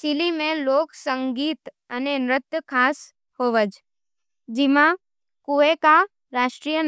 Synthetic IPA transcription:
silimẽloːksəŋɡiːt̪ | ənenɾɪt̪jəkʰas | hoʋəd͡ʒ | d͡ʒimã | kuʋeka | ɾaʃʈɾijən

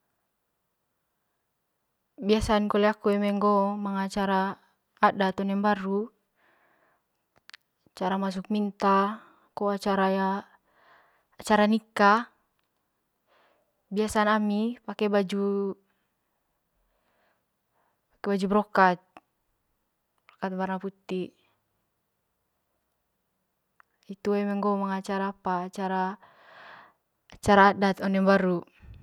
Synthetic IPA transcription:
biasankɔlɛakuɛmɛŋɡɔmaŋat͡ʃaɾaː | dat̪ɔnɛmbaɾu | t͡ʃaɾamas̬uk̚mint̪a | kɔat͡ʃaɾaja | t͡ʃaɾanika | biasanamipakɛbad͡ʒu | pḁkɛbad͡ʒubɾɔkat̪̚ | bɾɔkat̪̚barnaput̪i | it̪uɛjmɛŋɡɔmaŋat͡ʃaɾaːpaːt͡ʃaɾa | t͡ʃaɾaːdat̪ɔnɛŋbaɾu

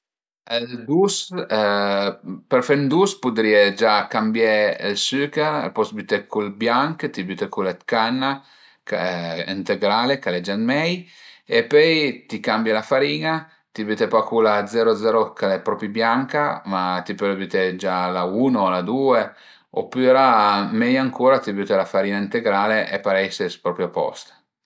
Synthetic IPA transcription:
ld̪us | pɛɾfɛnd̪uspud̪ɾiːed͡ʒakambjelsyːkeɾ̰pɔsbyt̪ekʰulbjaŋkt̪ibyt̪ekulat̪kanːa | kaḭnt̪eɡɾalekaled͡ʒanmɛjepøjt̪ikambjalafaɾiːna | t̪ibyt̪epakuːlad̪zɛːɾod̪zɛːɾokʰalɛpɾɔːpɾibjaŋkamat̪ipølbyt̪ed͡ʒalauːnolad̪uːe | o̰pːyɾamɛjaŋkuːɾat̪ibyt̪elafaɾiːnaint̪eɡɾaːleʔepaɾɛjsespɾɔːpɾjapɔ̰st̪

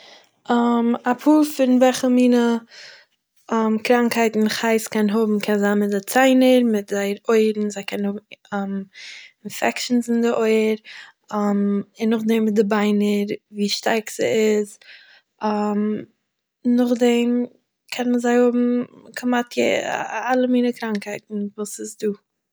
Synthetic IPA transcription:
amapʰuːfɪnvɛχəmiːnə | əmkɾaŋkhaɪtn̩χaɪskɛnɦʊbm̩kʰɛnzanmɪdɪt͡saɪnəɾmɪt̚zaɪɾoɪɾn̩zaɪkɛnhʊbm̩mɪnfɛkʃn̩sɪndɪʔoɪəɾ | amɪnːʊχdɛmmɪt̚dɪbaɪnəɾviːʃtaɾkz̥ə̰ɪz | am | nʊχdɛm | kʰɛnməzaɪhʊbm̩kʰəmatʰjḛalˠəmiːnəkɾaŋkhaɪtn̩vuːsɪzduː

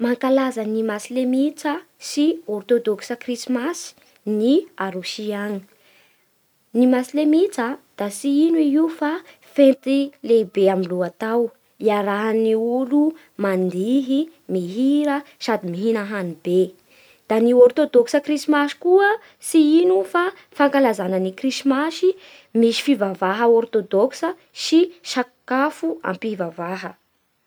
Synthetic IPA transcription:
maŋkalazənimasilemit͡sə | siort̪od̪oksəkrismasi̥ | niaɾusiaŋi | nimasilemit͡səd̪̥asiinuiiufa | fẽnt̪ilebeamiluat̪aw | iaɾaɦaniulu | mand̪iɦimiɦiɾəsad̪imiɦinəɦanibe | d̪̥aniort̪od̪ɔksəkrismaʃi̥kuə | siinufa | faŋkalazanənikrisimasi | miʃi̥fivavaɦəort̪od̪oksə | siʃakafua̰mpivavaɦə

